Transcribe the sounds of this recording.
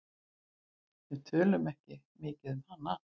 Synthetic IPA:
jɛɣt̪ʰœːlʏmɛhcɪ | mɪːcɪðmhanːa

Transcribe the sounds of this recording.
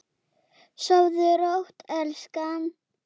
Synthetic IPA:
sɔwðʏɾowht̪ɛlskan

